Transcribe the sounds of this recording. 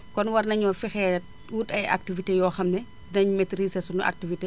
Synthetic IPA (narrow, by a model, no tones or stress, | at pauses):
kɔnwɐrnɐɲɐfixɛːt̚ | uːtɐja̰k̚tivitejɔːxɐmnɛ | nɐɲumetɾiːsɐsunuʔa̰k̚tivite